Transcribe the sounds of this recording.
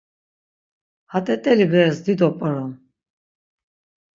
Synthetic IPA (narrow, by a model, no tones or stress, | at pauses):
hat̪ʼɛt̪ʼɛlibɛsd̪id̪ɔpʼəɾɔm